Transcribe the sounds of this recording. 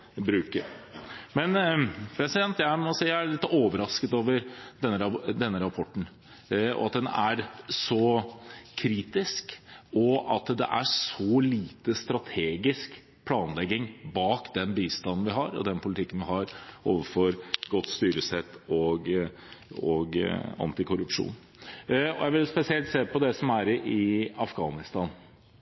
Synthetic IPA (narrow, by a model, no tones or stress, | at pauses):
bɾʉːkəɾmɛnpʰɾɛsɪd̪ɛnt̪jæɪmɔsiːææɭɪt̪ːoːʋəɾɑskət̪oːʋəɾd̪ɛnːəɾd̪ɛnːəɾɑpʰɔʈːn̩ | ɔ̰ɑt̪̚d̪ɛnæɾsɔ | kʰɾiːt̪ɪskɔɑt̪d̪ɛ̰ʔæʂɔliːt̪əst̪ɾɑt̪ʰeːɡɪsk | pʰlɑːnlɛɡːɪŋbɑːkd̪ɛnbiːst̪ɑnn̩ʋɪɦɑɾɔ̰d̪ɛnpʰʊlɪt̪ʰɪkːənʋɪɦɑɾʔoːʋəfɔɾɡɔt̪ːst̪yːɾəsɛt̪ːɔɡ | ɔɡɑ̰nt̪ɪkʰʊɾʉpʂṵːn | ɔjæɪʋɪlspɛsɪɛlt̪seːpɔd̪ɛsɔmæɾɪɑfɡɑːnɪst̪ɑːn